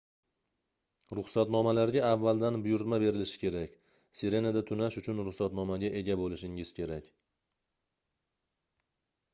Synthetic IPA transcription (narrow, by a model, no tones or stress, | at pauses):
ɾʊχsat̪nɒmalaɾɡʲaːvːald̪anbʊjʊɾt̪mabe̞ɾɪlɪʃɪ̥kʲʰe̞ɾakʲ | seɾe̞nad̪at̪ʰʊnaʃʊt͡ʃʰʊnɾʊχsat̪nɒmaɡʲaʔe̞ɡʲabolɪʃɪŋɪz̥kʲe̞ɾakʲ